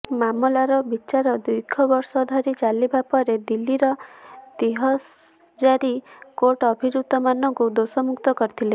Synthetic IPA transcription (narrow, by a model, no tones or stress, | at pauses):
mamɔlaɾɔbit͡ʃaɾɔd̪ujkʰːɔbɔɾsɔd̪ʱɔɾit͡ʃalibapɔɾed̪ilːiɾɔd̪iɦɔs | d͡ʒaɾikoʈɔbʱid͡ʒud̪ɔmanɔŋkud̪osɔmukt̪ɔkɔɾit̪ʰile